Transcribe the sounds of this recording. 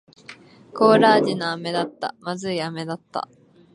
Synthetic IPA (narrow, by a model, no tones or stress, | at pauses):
ko̞ːɾaːd͡ʑinaame̞d̪at̪ːa̰mazɨiame̞d̪at̪ːa̰